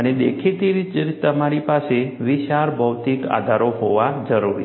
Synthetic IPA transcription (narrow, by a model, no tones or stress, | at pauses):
əned̪ḛkʰit̪iɾit͡ʃt̪əmaɾipaseʋɪʃaɾbʱəʋt̪ika̰d̪ʱaɾoɦoʋad͡ʒəɾuɾḭ